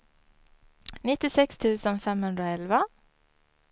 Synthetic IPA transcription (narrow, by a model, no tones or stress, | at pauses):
nɪt̪ɪsɛkst̪ʰʉːsənfɛmhʉnd̪ɾəoːɛlʋa